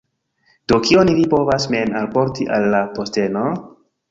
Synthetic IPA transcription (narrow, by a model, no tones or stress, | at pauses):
d̥o̞kio̞nilipo̞vasmenalpo̞ɾtiʔalːapo̞ste̞no̞